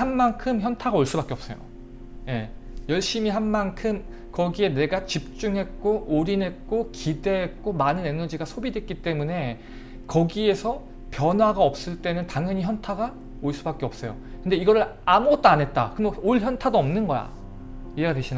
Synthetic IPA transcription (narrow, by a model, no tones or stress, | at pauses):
hanmankʰɯmçjʌntʰaɡaoɭs͈ubak͈e̞ʌps͈ʌjo̰ | je̞ | jʌɭɕ͈imiɦanmankʰɯm | kʌɡie̞ne̞ɡat͡ɕip̚t͡ɕ͈uŋɦe̞t̚k͈oʔoɾine̞t̚k͈okide̞ɦːt̚k͈omanɯne̞nʌd͡ʑiɡasʰobidwe̞t̚k͈it͈e̞mune̞ | kʌɡie̞sʰʌ | pjʌnwaɡaʌp̚s͈ɯɭt͈e̞nɯntaŋjʌɲiçjʌntʰaɡa | oɭs͈ubak͈eʌp̚s͈ʌjo̰ | kɯnde̞iɡʌɾɯɾ | amuɡʌt͈̚oanɦe̞t̚t͈a̰kɯmoɭçjʌntʰadoʌmnɯnɡʌja̰ | ie̞ɡadweɕʰin